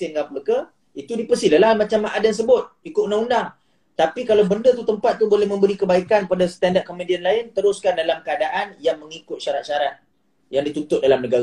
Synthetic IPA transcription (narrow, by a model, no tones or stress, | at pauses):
ɪnɡapəkə | it̪udipəsiləlamat͡ʃamːaʔadans̬əbʊt̪̚ikʊt̪unaundaŋ | t̪apikalawbəndət̪ut̪əmpat̪̚ːubolɛhmə̃mbəɾikəbaikanpadast̪andaʔ̚komedianlaɪnt̪əɾʊskandalamkəadaʔanjaŋməŋikʊt̪̚ʃaɾat̪̚ʃaɾat̪̚ | jaŋdit̪ut̪ʊt̪̚dalamnəɡa